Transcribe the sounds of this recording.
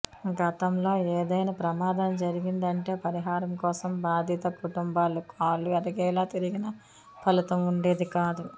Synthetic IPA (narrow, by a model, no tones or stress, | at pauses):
ɡɐt̪ɐmlo̞ːeːd̪ɐjnɐːpɾɐmaːd̪ɐmd͡ʒɐɾiɡind̪ɐɳʈe̞ːpɐɾiɦaːɾɐmkɔːsɐmbaːd̪ʱit̪ɐkuʈumbaːlukaːluɛɾɐɡɛːlaːt̪iɾiɡinɐ | pʰɐlit̪ɐmuɳɖe̞ːd̪ikaːd̪u